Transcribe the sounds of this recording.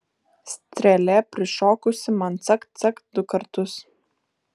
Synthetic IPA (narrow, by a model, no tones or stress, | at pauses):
sʲt̪ʲɾʲɛlʲɛpʲɾʲɪʃoːkʊsʲɪmɐnt̪sɐkt̪sɐkd̪ʊkɐɾt̪ʊs